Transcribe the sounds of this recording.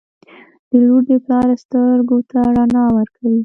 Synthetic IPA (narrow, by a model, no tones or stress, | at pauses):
d̪̥əloɖeplɑɾast̪əɾɡot̪aɾanɑwəɾkʰawi